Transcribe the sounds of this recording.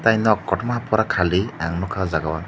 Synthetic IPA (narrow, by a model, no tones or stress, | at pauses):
tajnɔkːɔtɔmapɔɾakʰaliaŋnɔkʰazaɡawa